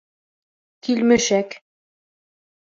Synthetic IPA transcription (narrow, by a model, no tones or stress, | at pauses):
kilmɘ̆ʃæk